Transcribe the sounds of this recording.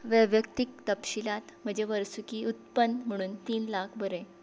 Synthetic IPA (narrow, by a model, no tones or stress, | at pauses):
ʋəʋjəkt̪ik̚t̪əpɕilat̪m̤əd͡ʑeʋəɾsukiːut̪pənm̤əɽ̃uːnt̪iːnlakʰbʱəɾe